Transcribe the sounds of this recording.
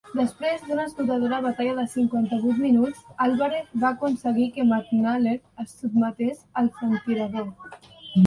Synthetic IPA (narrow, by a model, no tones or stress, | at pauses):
d̪əspɾezðunəst̪ut̪að̞oɾəβ̞at̪aʎaðəsiŋkwant̪əβujt̪minut͡salˠβaɾet̪bakunsəɣikəmaknaleɾ | əsub̚mət̪esəlˠfənt̪iɾəðo